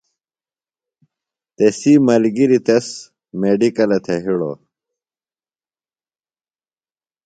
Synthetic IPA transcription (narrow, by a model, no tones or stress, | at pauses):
t̪esimɐlɡiɾit̪ɐs | meɖikɐlɐt̪ʰeɦiɽo̰